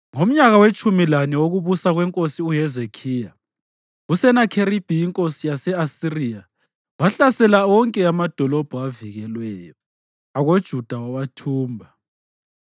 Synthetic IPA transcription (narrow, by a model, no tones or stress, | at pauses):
ŋom̩ɲaɣawet͡ʃʼumilaniwoɣuβusaɣwɛŋkʼosiuɦɛzekʰija | usɛnakʰeɾib̥ʱiiŋkʼosijasɛasirija | waɬasɛlaɔŋkʼɛamad̥ʱɔlɔb̥ʱuaviɣɛlwɛːjɔ | aɣod̥ʒ̥ʱud̥ʱawawatʰuːmbʱa